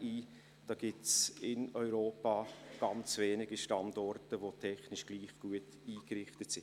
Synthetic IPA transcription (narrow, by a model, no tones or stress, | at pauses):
iː | d̥ɑːɡ̥ɪsɪnɔʏɾoːpaːɡ̥ɑnt͡sveːnɪɡiʃtɑndɔrtəʋotʰɛχnɪʃɡ̥liːχɡ̥uət | iːkrɪχtətsɪn